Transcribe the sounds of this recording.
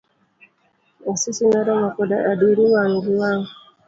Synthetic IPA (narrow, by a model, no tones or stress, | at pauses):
asisinaɾamakɔdaʔaduɾiwaŋɾiwaŋ